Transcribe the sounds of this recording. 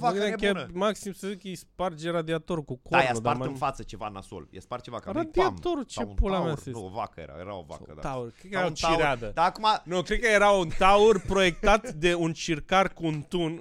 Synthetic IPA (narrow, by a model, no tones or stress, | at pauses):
vaeekʲaəmaksimsəzikəejspard͡ʒeɾad̪iat̪o̞ɾukukoajasud̪aarmɨnfat̪sət͡ʃe̞vana̰so̰lja̰spaɾt̪̚t͡ʃevakarad̪iat̪o̞ɾut͡ʃepulamasiova̰kəjḛɾa̰jeɾa̰o̰va̰ə̰d̪at̪aurkɾekəeeɾat͡ʃiɾad̪əd̪aːkumanokɾekːəje̞ɾaunt̪aurpɾo̞jekt̪at̪d̪e̞unt͡ʃirkarkuunt̪un